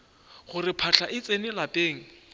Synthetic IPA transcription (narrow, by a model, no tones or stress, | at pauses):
χʊrɪpʰaɬʰaʔɪt͡sʼenɪlapʼeːŋ̩